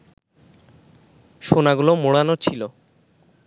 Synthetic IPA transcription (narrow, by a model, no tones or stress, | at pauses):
ʃonaɡulomoɽanot͡ɕʰilo